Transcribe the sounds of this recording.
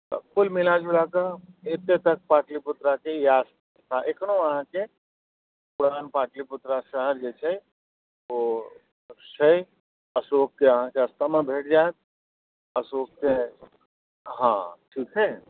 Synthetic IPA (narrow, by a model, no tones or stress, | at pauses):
kʊlmɪlaːd͡ʒulaːkaet̪ːet̪ɐk̚paːʈlipʊt̪ɾakejaːs | t̪ʰaʔeknõʋɐɦãke | pʊɽaːnpaːʈlipʊt̪ɾaʃəɦəɾd͡ʒet͡ʃʰɐ | o | t͡ʃʰɐ | ɐsoːkkeɐɦãkeɐst̪amɐ̃bʱeːʈ̚d͡ʒaːt̪̚ | ɐsoːk̚ke | ɦã̰ːʈʰiːkɦɛː